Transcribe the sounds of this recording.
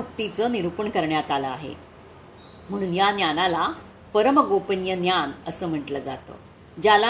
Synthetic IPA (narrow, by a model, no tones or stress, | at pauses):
ək̚t̪it͡səniɾupəɳkəɾɳjat̪aləaɦḛ | m̤əɽ̃uːnjanjanala | pəɾəmɡopənjənjanəsəːm̤əʈləːd͡za̰t̪o̰ | d͡ʑala